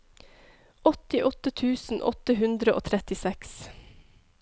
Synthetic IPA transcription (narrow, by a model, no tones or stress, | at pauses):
ɔt̪ɪʔɔt̪ət̪ʰʉːsn̩ʔɔ̰t̪əɦʉnd̪ɾəʔo̰ːt̪ʰɾɛt̪ɪsɛks